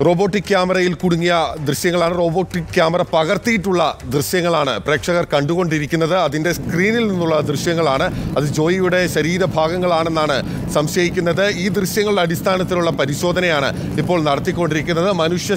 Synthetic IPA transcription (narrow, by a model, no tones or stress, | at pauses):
ro̞ːbo̞ːʈːikːjaːmɐrɐjilkuɽuŋːijɐd̪rɨɕjɐŋːɐɭaːɳɨro̞ːbo̞ːʈːikkjaːmɐrɐpɐɣɐrt̪ijiʈːuɭːɐd̪rɨɕjɐŋːɐɭaːɳɨpre̞ːkʂɐɣɐrkɐɳɖuɣo̞ɳɖiɾikʲːun̪ːɐðɨɐðinde̞skriːnilninːuɭːɐd̪rɨɕjɐŋːɐɭaːɳɨɐðɨd͡ʑo̞ːjijuɽe̞ɕɐɾiːɾɐbʱaːɡɐŋːɐɭaːɳe̞nːaːɳɨ | sɐmɕɐjikʲːunːɐðɨiːd̪rɨɕjɐŋːɐɭɽeɐdist̪ʰaːnɐt̪ːiluɭːɐpɐɾiɕo̞ːd̪ʱɐnɐjaːɳɨ̰ | ipːo̞ːɭnɐɽɐt̪ːikʲːo̞ɳɖiɾikʲːunːɐðɨmɐnuʂjɐ